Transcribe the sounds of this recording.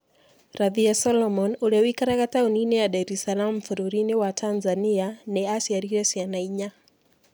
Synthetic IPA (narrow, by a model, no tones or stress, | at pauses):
ɾaðiasɔlɔmɔnulɛwikaɾaɣatauninɛjaɗaɾɛsalam̩m̩fuɾuɾiniwatʰanzanianɛasiaɾiɾɛsianaiɲa